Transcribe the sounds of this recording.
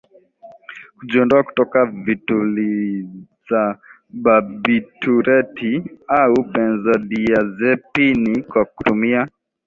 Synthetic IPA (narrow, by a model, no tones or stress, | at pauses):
kud͡ʒiɔndɔaku̥tɔkavituliz̥a | babitʰuɾɛtiaupɛnzaɗiazɛpinikwaku̥tumia